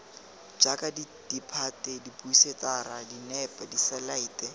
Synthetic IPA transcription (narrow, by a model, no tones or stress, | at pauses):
d͡ʒakʼaditipʰatʼɛdipuisetaɾadinɛpʼadisalaiːtʼɛ